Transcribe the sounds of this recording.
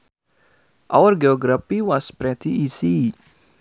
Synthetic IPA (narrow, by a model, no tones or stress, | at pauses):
awɾɡeoːɡɾɐpiwaspɾɛt̪ʰiisi